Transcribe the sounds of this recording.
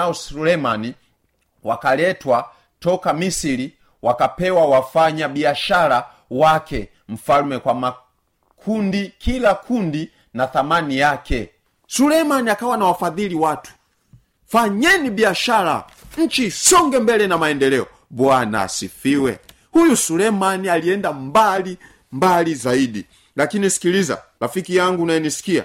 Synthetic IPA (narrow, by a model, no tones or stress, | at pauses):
aɔsulɛmani | wakalɛtwa | tɔkamisili | wakapɛwawafaɲabiaʃala | wakɛ | m̩falumɛkwama | kʰundikʰilakʰundi | naθamanijakɛ | sulɛmaniakawanawafaðiliwatʰu̥ | faɲɛnibiaʃala̰ɲ̩t͡ʃisɔŋɡɛmbɛlɛnamaɛndɛlɛɔ | bwana̰sifiwɛ̰ | hujusulɛmanialiɛndambali | mbalizaidi | lakinisi̥kiliza̰lafikijaŋɡunajɛnisi̥kia̰